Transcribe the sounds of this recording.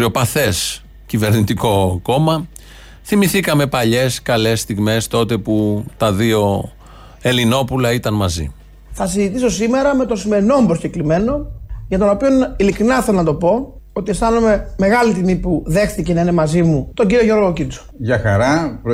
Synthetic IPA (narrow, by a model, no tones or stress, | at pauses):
ɾiopɐθe̞s | cive̞ɾnit̪iko̞ko̞mɐ | θimiθikɐme̞pɐʎe̞skɐle̞st̪iɣme̞st̪o̞t̪e̞put̪ɐðio̞ | e̞lino̞pulɐit̪ɐnmɐzḭ | θɐs̬izit̪iso̞sime̞ɾɐme̞t̪o̞sime̞ɾino̞mbɾosce̞klime̞no̞ʝɐt̪o̞no̞pio̞nilikɾinɐθelonɐt̪o̞po̞ot̪ie̞st̪ɐnome̞me̞ɣɐlit̪imipuðe̞xθicenɐine̞mɐzimut̪o̞ɲɟiɾio̞ʝo̞ɾɣoɣo̞cid͡z̪o̥ʝɐxɐɾɐp